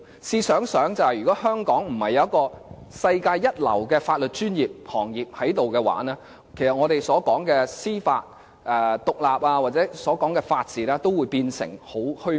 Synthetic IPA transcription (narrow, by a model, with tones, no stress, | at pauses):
siː˧sœː˨˥ŋsœː˨˥ŋt͡sɐ˨whɐ˨˩jɥyː˨˩kɔː˨˥hœː˥ŋkɔː˨˥ŋm̩˨˩hɐ˨jɐ˨˦ɐ˥t̚kɔː˧sɐ˧jkaː˧jːɐ˥t̚lɐ̰˨˩wkɛː˧faː˧t̚lɵ˨t̚t͡ʃyː˥njiː˨p̚hɔː˨˩ŋjiː˨p̚hɐ˨˥jt̪o˨wkɛː˧wa̰ː˨˥nɛː˥ | kʰjsɐ˨t̚ŋɔː˨˧ɾe˨jsɔː˨˥kɔː˨˥ŋkɛː˧siː˥faː˧t̚ | ɛː˨˧t̪ʊ˨k̚laː˨p̚aː˧waː˨t̚t͡sɛː˨˥sɔː˨˥kɔː˨˥ŋkɛ˧faː˧t̚t͡siː˨˥nɛː˥t̪o˥wuː˨˧jpiː˧nsɪ̰˨˩ŋho˨˥whɵ˥